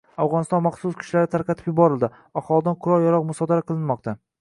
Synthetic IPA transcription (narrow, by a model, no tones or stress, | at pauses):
awʁɒnɪst̪ɒnmɑχsʊskʲʰɪ̥ʃlaɾɪt̪ʰaɾqʰɑt̪ʰɪpjɪbɒɾɪlˠd̪ɪ | aχɒlˠɪd̪anqʰʊɾɒlˠjɒɾɒqmʊsɒd̪aɾaqʰɨlˠɪnmɒq̚t̪ʰa